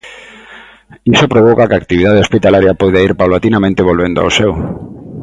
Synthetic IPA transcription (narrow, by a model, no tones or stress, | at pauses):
isopɾoβ̞okakakt̪iβiðað̞eospit̪alaɾjapojðaiɾpawlat̪inamẽnt̪eβ̞olβend̪oa̰wsew